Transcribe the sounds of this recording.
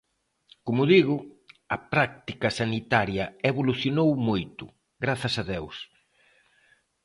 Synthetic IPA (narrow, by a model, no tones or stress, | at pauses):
komʊðiɣʊ | ɐpɾak̚t̪ikɐsanit̪aɾjɐeβoluθjonowmojt̪ʊ̰ | ɣɾaθɐsɐðews